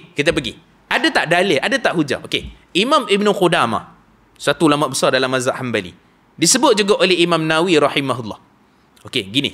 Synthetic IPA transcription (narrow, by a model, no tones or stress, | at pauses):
kit̪ap̬əɡḭ | ʔadat̪aʔdalɪʔadat̪aʔɦud͡ʒa̰ʔokeʔimãmibnuqudama̰ | sat̪uːlamaʔbəsɑrdalamːazaʔhambalḭ | disəbʊt̪̚d͡ʒuɡaʔolɛhimãmnawiɾɑħimaɦulːɑ̰h | okeɡinḭ